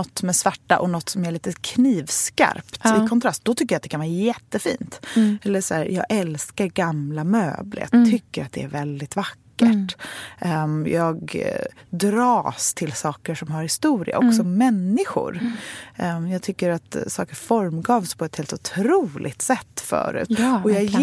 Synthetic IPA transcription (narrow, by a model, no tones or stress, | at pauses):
nɔt̪ːmɛsvaʈːa̰ʔɔnɔt̪ːsɔmæɭiːt̪əkʰniːvska̰ɾpt̪ɪkʰɔnt̪ʰɾast̪̚d̪ɔt̪ʰʏkːəɾjat̪d̪ɛkʰanvɑːɾajɛt̪ːəfḭːnt̪ɛlːəʂæːɾjɑ̰ːɡʔɛlskaɾɡamlamø̰ːblə̰t̪ʰʏkːəɾat̪̚d̪ɛ̰æ̰ɾvɛld̪ɪt̪vakːəʈ | jɑːɡ | d̪ɾɑːst̪ʰɪlsɑːkəʂɔmɦaɾhɪst̪uːɾɪ̰a̰ʔɔksɔmɛnːɪɧʊ̰ɾ | jɑːɡ̚t̪ʰʏkːəɾat̪sɑ̰ːkəɾfɔɾmɡɑːvspʰɔɛt̪heːlt̪ʊt̪ʰɾuːlʔɪ̰ɡt̪sɛt̪ːfœ̰ːɾʉ̟̰ːt̪ɔjɑːɡ